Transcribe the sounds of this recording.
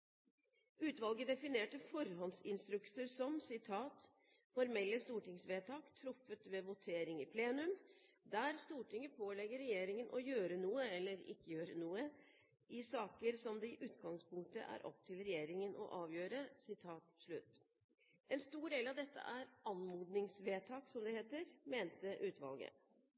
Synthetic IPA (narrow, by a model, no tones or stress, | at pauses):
ʉːt̪ʋɑlɡəd̪ɛfɪneːʈəfɔɾɦɔnsɪnst̪ɾʉksəɾsɔmsɪt̪ʰɑːt̪ | fɔɾmɛlːəst̪uːʈɪŋsʋeːt̪ʰɑːkt̪ʰɾʊfːət̪ʋɛʋʊt̪ʰeːɾɪŋɪpʰleːnʉm | d̪æːɾst̪uːʈɪŋəpʰoːlɛɡəɾːɛjeːɾɪŋənʔɔjøːɾənuːəɛlːəɾɪ̰kːəjøːɾənuːə | ɪsɑːkəɾsɔmd̪ɛɪʔʉːt̪ɡɑŋspʊŋk̚t̪ə̰ʔæ̰ɾʔɔ̰p̚t̪ʰɪlɾɛjeːɾɪŋənʔɔ̰ʔɑːʋjøːɾəsɪt̪ʰɑːt̪ʂɭʉt̪ː | ʔɛnst̪uːɖeːlɑʋd̪ɛt̪ːə̰ʔæɾɑnmuːd̪nɪŋsʋeːt̪ʰɑːksɔmd̪ɛheːt̪əɾmeːnt̪əʔʉːt̪ʋɑ̰lˠɡə̰